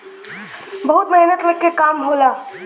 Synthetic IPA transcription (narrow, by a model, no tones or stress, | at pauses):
bɐɦʊt̪mɐɦnət̪mekːekaːmɦoːlaː